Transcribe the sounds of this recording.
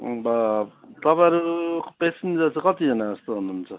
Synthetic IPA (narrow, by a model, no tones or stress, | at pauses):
bʌt̪ʌpaɾupesend͡zat͡sʰʌkʌt̪id͡zʌnaʌst̪oɦunuːnt͡sʰʌ